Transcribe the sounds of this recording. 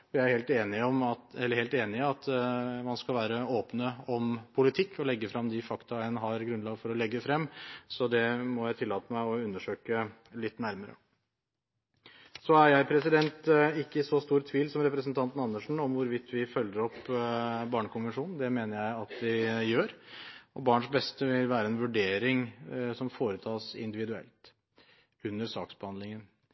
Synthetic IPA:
fɔjæɪæɾheːlt̪eːnɪɔmɑɛlːəheːlt̪eːnɪɑt̪mɑnskɑlʋæːɾəoːpnəɔmpʰʊlɪt̪ʰɪkːɔlɛɡːəfɾɑmd̪ɪfɑkt̪ɑɛnɦɑɾɡɾʉnlɑːɡfɔɾɔlɛɡːəfɾɛmːsɔd̪ɛmɔjæɪt̪ʰɪlːɑːt̪əmæɪɔʉnːəʂøːkə | lɪt̪ːnæɾməɾə̰ | sɔæɾjæɪpʰɾɛsɪd̪ɛnt̪ɪkːəɪsɔst̪uːɾt̪ʰʋiːlsɔmɾɛpɾəsnt̪ʰɑnt̪n̩ɑnːəʂɳ̩ɔmʋʊɾʋɪt̪ːʋɪfœlːəɾɔpːbɑːɳəkʊnʋənʂuːnn̩d̪ɛmeːnəɾjæɪɑt̪̚d̪ɪjøːɾɔbɑːɳʂbɛst̪əʋɪlʋæːɾəɛnʋʉɖeːɾɪŋsɔmfoːɾət̪ʰɑːsɪ̰nd̪ɪʋɪd̪ʉɛ̰lt̪ | ʉnːəɾsɑ̰ːksb̥əhɑnd̪lɪŋən

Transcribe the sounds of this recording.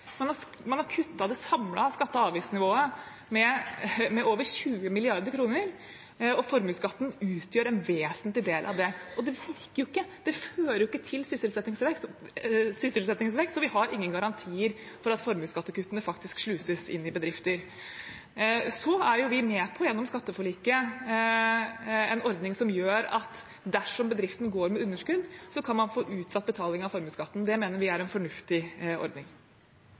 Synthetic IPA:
mɛnɑ | mɛnhɑɾkʰʉt̪ːɑd̪ɛsɑmlɑskɑt̪ːəɑːʋiːsnɪʋoːə | mɛmɛʔoːʋəɾçʉːəmɪlɪɑɾd̪əɾkʰɾuːnəɾ | ɔfɔɾmʉːskɑt̪ːən̩ʉːt̪ʰjøːɾɛnʋeːsənt̪lɪd̪eːlʔɑ̰ʋd̪ɛʔɔd̪ɛʋɪɾkəɾjʊɪkːəd̪̥ɛføːɾəɾjɪkːət̪ʰɪlsʏsɪlsɛt̪nɪŋsʋɛksɔsʏsəlsɛt̪nɪŋsʋɛksɔʋɪhɑɾɪŋːənɡɑɾɑnt̪ʰiːəɾ | fɔɾɑt̪fɔɾmʉːskɑt̪ːəkʉːt̪ːənəfɑkt̪ɪskʂlʉːsəsɪ̰nːɪbəd̪ɾɪft̪əɾ | sɔæɾjʊʋɪmɛːpʰɔjɛnːɔmskɑt̪ːəfɔɭiːkə | ɛnɔɾd̪nɪŋsɔmjøːɾɑ̰t̪ | d̪æʂɔmbəd̪ɾɪft̪ən̩ɡoːɾmɛʉnːəʂkʉd̪sɔkʰɑnmɑnfoːʔʉːt̪sɑt̪̚ːbət̪ʰɑːlɪŋɑʋfɔɾmʉːskɑt̪ːnd̪ɛmeːnəɾʋɪæɾɛnfɔɳʉft̪ɪɔ̰ɾd̪nɪŋ

